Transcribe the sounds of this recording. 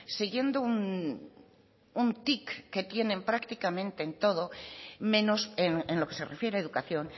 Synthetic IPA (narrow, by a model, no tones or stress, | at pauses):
siɣje̞nd̪oun | unt̪ikːe̞t̪je̞ne̞mpɾakt̪ikamẽnt̪eːnt̪o̞ð̞omẽ̞noseŋenlo̞ke̞serefje̞ɾeaeðukaθjo̞n